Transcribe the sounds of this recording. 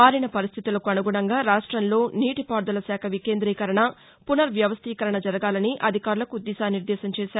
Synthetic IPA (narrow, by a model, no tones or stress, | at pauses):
aːɾinɐpɐɾist̪ʰit̪ulɐkuɐnuɡuɳɐŋɡaːɾaːʂʈɾɐnlo̞ːniːʈipaːɾd̪ɐlɐsaːkʰɐʋike̞ːnd̪ɾiːkɐɾɐɳɐ | punɐɾʋjɐʋɐst̪ʰiːkɐɾɐɳɐd͡ʒɐɾɐɡaːlɐniʔɐd̪ʱikaːɾulɐkuːd̪ːiːsaːniɾd̪ɛːsɐmt͡ʃɛːʃaːɾu